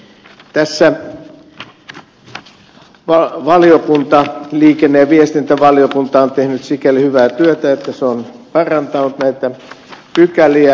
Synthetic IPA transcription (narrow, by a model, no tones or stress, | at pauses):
t̪æsːæ | ʋɑʋɑliokunt̪ɑliːkenːeːʋiest̪int̪æʋɑliokunt̪ɑont̪ehnyt̪sikelhyʋæːt̪yøt̪æet̪ːæseonpɑrɑnt̪ɑnut̪næit̪æ | pykæliæ